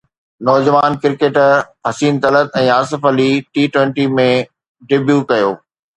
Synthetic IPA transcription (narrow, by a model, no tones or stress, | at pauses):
nɔːd͡ʑɐʋaːnkɪɾkeːʈɦɐsiːnt̪ɐlət̪ɛ̃ːaːs̬ɪfəliʈiːʈwɛ̃ɳʈimẽ | ɖɪbjukɐjoː